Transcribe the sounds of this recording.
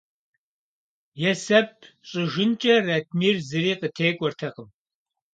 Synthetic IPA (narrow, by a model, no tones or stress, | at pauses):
jɛsɐp̚ʰ | ɕʼɪʒɪnt͡ʃʼɐrɐt̚ʰmiːrzɨɾiːqətʰeːkʷʼɔrtʰɐqəm